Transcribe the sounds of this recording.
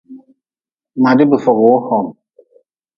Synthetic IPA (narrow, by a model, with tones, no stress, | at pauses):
ma˨di˦bə˨fɔ˨ɣo˨o˦hɔ˨ŋ